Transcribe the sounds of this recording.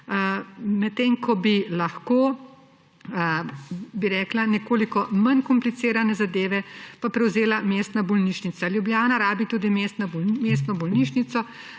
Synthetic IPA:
mɛt̪ːeːŋkʰɔbilɐxkoː | biɾɛːklanɛkoːlikɔmɐnkɔmplit̪seːɾanɛzad̪eːʋɛpapɾɛwzeːlameːst̪nabɔlniʃnit̪saljubljaːnaɾaːbit̪uːd̪imeːst̪nabmeːst̪nɔbɔlniʃnit̪sɔ

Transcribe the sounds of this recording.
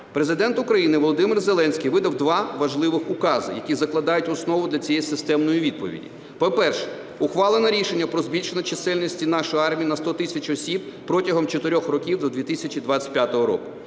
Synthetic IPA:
pɾezɪd̪ɛnt̪ʊkɾɐjinɪʋɔlˠɔd̪ɪmɪrzelˠɛnʲsʲkʲijʋɪd̪ɐwd̪ʋɑʋɐʒlˠɪʋɪxʊkɑzɪ̰jɐkʲizɐklˠɐd̪ɑjʊtʲɔsnɔʋʊd̪lʲɐt͡sʲijɛjsɪst̪ɛmnɔjiʋʲid̪̚pɔ̰ʋʲḭdʲḭ | pɔpɛrʃɛ̥ | ʊxʋɑlˠenɛɾʲiʃenʲːɐpɾɔzbʲilʲʃenɐt͡ʃesɛlʲnʲisʲtʲinɑʃɔjɑrmʲijinɐst̪ɔt̪ɪsʲɐt͡ʃɔsʲib̚pɾɔtʲɐɦɔmt͡ʃɔt̪ɪɾʲɔxrɔkʲiwd̪ɔd̪ʋʲit̪ɪsʲɐt͡ʃid̪ʋɑt͡sʲɐ̥tʲpʲjat̪ɔɦɔɾɔ̰kʊ̥

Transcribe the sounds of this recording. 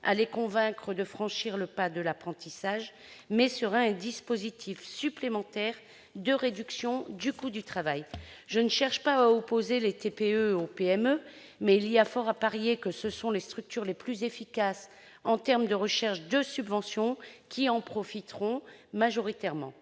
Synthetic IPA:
a̰lekɔ̃vɛ̃kχəd̪əfχɑ̃ʃiʁləpad̪əlapχɑ̃t̪isaʒ | mɛsəʁaɛ̃d̪ispozit̪ʰifsyplemɑ̃t̪ɛʁ | d̪əʁed̪yksjɔ̃d̪ykud̪yt̪χavajʒənəʃɛʁʃpaaɔpozelet̪epeøopeɛmø | mɛiliafɔʁapaʁjekəsəsɔ̃lest̪χyk̚t̪yʁleplyzefikas | ɑ̃t̪ɛʁmd̪əʁəʃɛʁʃd̪əsybvɑ̃sjɔ̃kʲʰiɑ̃pχɔfit̪ʁɔ̃maʒɔʁit̪ɛʁmɑ̰̃

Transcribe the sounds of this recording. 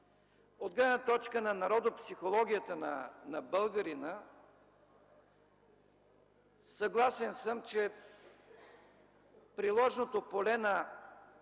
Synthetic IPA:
od̪ɡlɛɛnət̪ɔt͡ʃkənɐnɐɾɔd̪opsixolˠɔɡʲijət̪ənɐnɐbəlˠɡəɾinə | sɐɡlˠasɛnsəmt͡ʃɛ | pɾilˠɔʒnot̪opolɛnɐ

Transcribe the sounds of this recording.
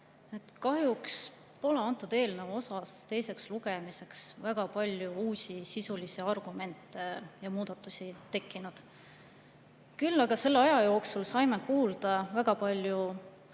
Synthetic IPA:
e̞t̪kɑɦjuks | po̞le̞ɑnt̪ːˑud̪e̞ːlnevo̞sɑst̪e̞jse̞ksluɡe̞mise̞ksvæɡ̥ɑpɑlʲjuuːsʲisisulisiɑrɡ̥ume̞nt̪ːˑe̞jɑmuːd̪̥ɑt̪ːˑusʲit̪e̞kˑːinud̪̥ | kylːɑɡ̥ɑse̞lːeɑjɑjo̞ːksulsɑjme̞kuːld̪̥ɑvæɡ̥ɑpɑlʲju

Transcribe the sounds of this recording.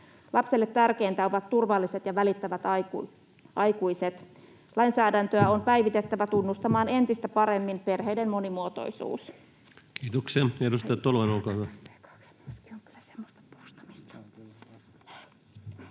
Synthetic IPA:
lɑpselːet̪ːærke̞int̪æo̞ʋɑt̪t̪urʋɑlːise̞t̪jɑʋælit̪ːæʋæt̪ɑ | ʔɑjkuise̞t̪ | lɑinsæːdænt̪øæo̞mpæjʋit̪et̪ːæʋæt̪unːust̪ɑmɑːne̞nt̪ist̪æpɑɾe̞mːinpe̞rɦeidemmo̞nimuot̪o̰isṵːs | kiːt̪okseedust̪ɑjɑt̪ːolʋenolkɑækɑ̥ksmiski̥oŋky̥l̥ːæse̥mːost̪ɑ̥po̥st̪ɑ̥mist̪ɑ̥

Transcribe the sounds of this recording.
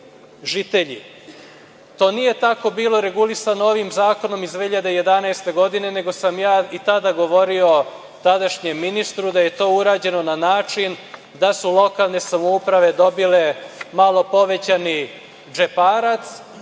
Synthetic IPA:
ʒit̪e̞ʎḭ | t̪o̞ːnije̞t̪ako̞biːlo̞ɾe̞ɡulisanooʋimzaːko̞no̞mizd̪ʋeːhiʎad̪eje̞d̪anaest̪e̞ɡo̞d̪ine̞ne̞ɡo̞samjaːit̪ad̪aɡo̞ʋo̞ɾio̞ | t̪ad̪aʃɲemːinist̪ɾud̪aje̞t̪o̞ːuɾaːd͡ʑe̞no̞nanaːt͡ʂin | d̪asulˠo̞kaːlˠne̞samoupɾaʋe̞d̪o̞bile̞malˠo̞po̞ʋe̞t͡ɕani | d͡ʒepaːɾat̪s

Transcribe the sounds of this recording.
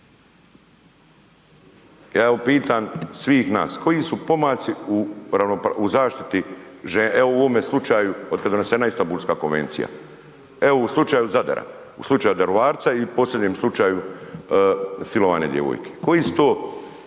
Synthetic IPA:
jaːeʋopiːt̪aːnsʋiːxna̰ːskʰo̞jisupo̞maːt̪siuɾaʋnopuzaːʃt̪it̪iʒeeouʋomeslˠut͡ʃaːjuo̞d̪kad̪d̪o̞neseːnaist̪ambulʲˠskaːko̞nʋe̞̰nt̪sḭja̰ | eouslˠut͡ʃaːjuzad̪a̰ɾa̰ | ṵslˠut͡ʃaːjud̪aɾoʋaːɾt̪saipo̞ːslʲe̞d̪ɲeːmslˠut͡ʃaːju | silo̞ʋa̰ːne̞̰d̪jḛʋo̰jkʰe̞̥ko̞jisu̥t̪oː

